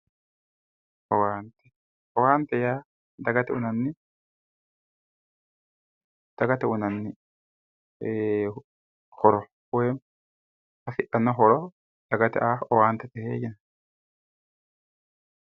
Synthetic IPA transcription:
ʔɔwaːnt̪ɛ̥ | ɔwaːnt̪ɛjaː | d̪ɐɡɐt̪ɛʊnɐnːɪ | d̪̥ɐɡɐt̪ɛʊnɐnːɪ | hɔɾɔ | weːm | hɐfɪᶑɐnːɔɦɔɾɔ | d̪̥ɐɡɐt̪ɛ̰ʔaːɔwaːnt̪ɛt̪ɛhḛːd͡ʒɛn

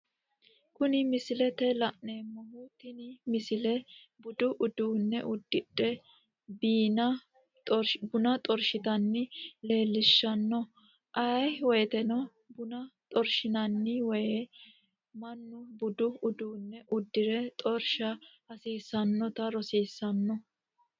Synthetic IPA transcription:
kʊnɪmɪsɪlɛt̪ɛlɐʔne̞ːmːɔhʊt̪ɪnɪmɪsɪlɛ | bʊd̪ʊʔʊd̪uːnːɛ̰ʔʊd̪ːɪᶑɛ | biːnɐ | bʊnɐt̪ʼɔɾʃɪt̪ɐnːɪle̞ːlːɪʃːɐnːɔ | ʔɐjwɔjɛt̪ɛnɔ | bʊnɐt̪ʼɔɾʃɪnɐnːɪwɔje | mɐnːʊbʊd̪ʊʊd̪uːnːɛʔʊd̪ːɪɾɛt̪ʼɔɾʃɐ | ɐsiːsɐnːɔt̪ɐɾɔsiːsːɐnːɔ

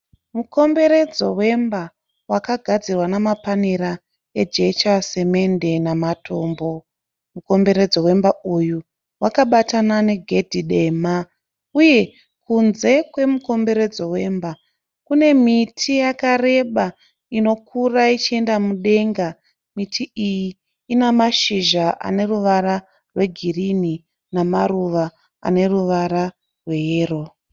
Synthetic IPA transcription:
muko̞mbe̞ɾe̞d͡zo̞we̞mba | wakaɡʱad͡zirwanamapaneɾa | e̞d͡ʒe̞t͡ʃase̞me̞nde̞namatʰo̞ːmbo̞ | muko̞mbe̞ɾe̞d͡zo̞we̞mbauju | wakaɓatanane̞ɡʱe̞dʱiɗe̞ma | uje̞ | kunze̞kwe̞muko̞mbe̞ɾe̞d͡zo̞we̞ːmba | kune̞mitʰijakare̞ɓa | ino̞kʰurait͡ʃie̞ndamuɗe̞ŋɡa | mitʰiijiː | namaʃiʒaʔa̰ne̞ruʋaɾa | rwe̞ɡʱirini | namaruʋa | a̰ne̞ruʋaɾa | rwe̞jeːro̞

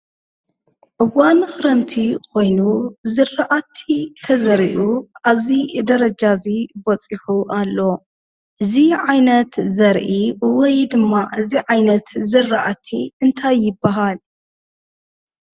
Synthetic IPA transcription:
ʔɨwanxɨɾɐmt̪ʰiko̞jnubɨzɨrːaʔat̪ʰːit̪ʰɐzɐɾiʔuʔaβzid̪ɐɾɐd͡ʒazibɔt͡sʼiħuʔalːo̞ | ʔɨziʕajnɐt̪zɐɾʔiwɔjd̪ɨmːaʔɨziʕajnɐt̪zɨrːaʔat̪ʰiɨnt̪ʰajːɪbːaɦal

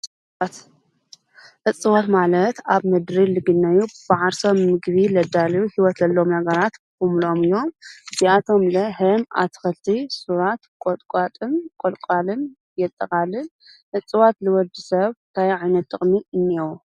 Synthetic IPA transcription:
t̪ | ʔɨt͡sʼːɨwat̪malɐt̪aβmɨd̪ɾilɨɡɨnːɐjub̥ɨʕaɾsomːɨɡβilɐd̪aljuhiwɔt̪lɐlːo̞mnɐɡɐɾat̪kʰumlo̞mɨjːo̞mɨziat̪ʰo̞mlɐɦɨma̰t̪ʰɨ̥xɨlt̪ʰisuɾat̪kʼot̪ʼkʼat̪ʼɨnkʼolkʷʼalɨn | jɛt̪ʼːɐkʼalɨn | ʔɨt͡sʼːɨwat̪lɨwɔd̪isɐβnt̪ʰajʕajnɐt̪ʼːɨχʼmiɨnːiwu

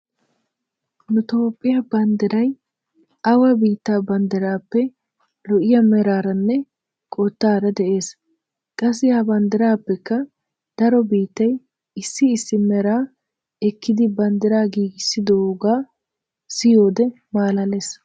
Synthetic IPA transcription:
nʊt̪o̞ːpʼːɪjɐbɐnd̪ɪɾɐj | ɐwɐbiːt̪ːaːbɐnd̪ɪɾaːpːɛ | lɔʔɪjɐmɛɾaːɾɐnːɛ | kʼot̪ːaːɾɐd̪ɛʔe̞ːs | kʼɐs̬ːɪhɐbɐnd̪ɪɾaːpːɛkːɐ | d̪̥ɐɾɔbiːt̪ːɐj | ɪsːɪːsːɪmɛɾaː | ɛkʰːɪd̪ɪbɐnd̪ɪɾaːɡiːɡɪsːɪd̪oɡaː | sɪjoːd̪ɛ | maːlɐle̞ːs

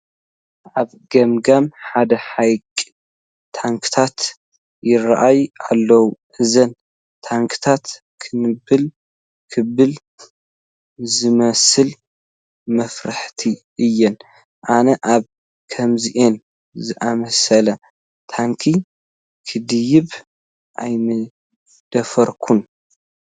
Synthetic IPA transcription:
ʔaβ | ɡɐmɡamħad̪ɐħajkʼ | t̪ʰaŋkʰɨ̥t̪ʰat̪ | jɪraʔajalːɐwuʔɨzɐn | t̪ʰaŋkʰɨ̥t̪ʰat̪ | kʰɨnɨbɨl | kʰɨβɨl | zɨmɐsɨl | mɐfɾaħt̪ʰi | ʔɨjːɛn | ʔanɐʔaβ | kʰɐmziʔen | zɨʔamɐsɐlɐ | t̪ʰaŋkʰi | kʰɨd̪ɨjɪβ | ʔajnɨ | d̪̥ɐfɐɾkʰun

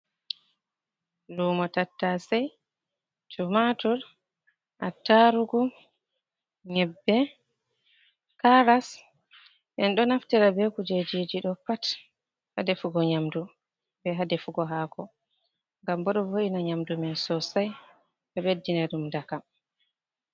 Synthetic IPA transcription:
luːmɔtatːasaj | t͡ʃumatuɾ | ʔataɾuɡu | ɲɛbːɛ | kaɾas | ɓɛnɗɔnaftiɾabɛkud͡ʒed͡ʒid͡ʒiɗɔpat | ha̰defuɡɔɲamdu | bɛɦadɛfuɡɔɦaːkɔ | ŋɡambɔɗɔvoʔinaɲamdumɛnsɔsaj | ɓɛɓedːinaɗumdakam

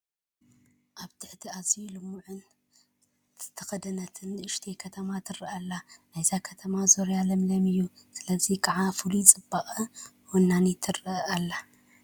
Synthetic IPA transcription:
ʔaβt̪ʰɨħt̪ʰiazijulɨmːuʕɨn | t̪ʰɐxɐd̪ɐnɐt̪ʰɨnʔɨʃt̪ʰekʰɐt̪ʰɐmat̪ʰɨrɐʔalːanajzakʰɐt̪ʰɐmazoɾjalɐmlɐmɨjːusɨlɐzikʰɐʕafulut͡sʼɨbːaχʼɐ | wonːanit̪ʰɨrɐʔalːa

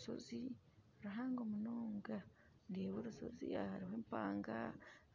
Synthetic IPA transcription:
so̰zi | ɾaɦaːŋɡomunoːŋɡa | ndeːβoɾuso̰zḭa̰haɾiɦweːmpaːŋɡa̰

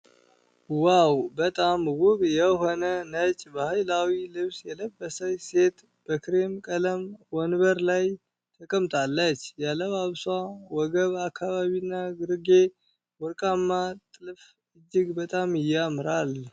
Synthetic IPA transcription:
wawbət̪ʼamwʊβjɛɦo̞nənət͡ʃʼbəhajlawilɨβsjɛləbːəsəwse̞t̪ | b̥əkʰɾe̞mkʼələmwɔnβəɾlaj | t̪ʰəkʼəmt̪ʰʼalːət͡ʃːjaləβaβswawɔɡəβakʰːaβaβinːaɡɨɾɡe̞ | wɔɾkʼamːat̪ʼɨlf | ɨd͡ʒːɪɡbət̪ʼamɪjːamɨɾal

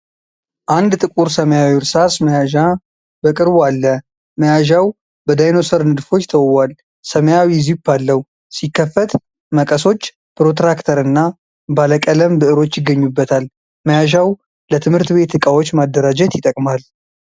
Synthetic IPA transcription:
ʔand̪t̪ʼɨkʼuɾsəməjawiɾsasməjaʒa | bəkʼɨɾbalːə | məjaʒaw | bəd̪ajno̞səɾnɨd̪fo̞t͡ʃːt̪ʰəwwal | səməjawizibalːəw | sikːəfːət̪ | məkʼəso̞t͡ʃː | pɾo̞t̪ɾakt̪ʰəɾɨnːa | baləkʼələmbɨʔɨɾo̞t͡ʃːjɪɡːəɲːubːət̪ʰal | məjaʒaw | lət̪ʰɨmhɨɾt̪be̞t̪ːɨkʼawot͡ʃːmad̪ːəɾad͡ʒɛt̪jɪt̪ʼəkʼmal

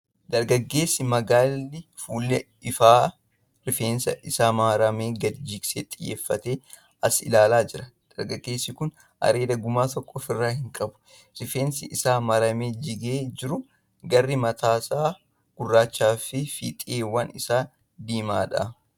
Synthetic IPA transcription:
d̪̥ɐɾɡɐɡːe̞ːsːɪmɐɡaːlːɪfuːlːɛ | ɪfaː | ɾɪfeːnsɐʔɪsaːmɐɾɐmeːɡɐd̪d͡ʒiːkseːt̪ʼɪjːḛːfːɐt̪e̞ː | ɐsɪ̰laːlaːd͡ʒɪɾɐd̪̥ɐɾɡɐɡːe̞ːsːɪkʊn | ʔɐ̰ɾe̞ːd̪ɐɡʊmaːt̪ɔkʼːoːfɪrːaːhɪŋkʼɐbʊ̥ | ɾɪfeːnsɪʔɪsaːmɐɾɐme̞ːd͡ʒɪɡeːd͡ʒɪɾʊ | ɡɐrːɪmɐt̪ʰaːsaː | ɡ̥ʊrːaːt͡ʃːaːfɪfḭːt̪ʼɪeːwɐnɪsaː | d̪iːmaːᶑɐ̰

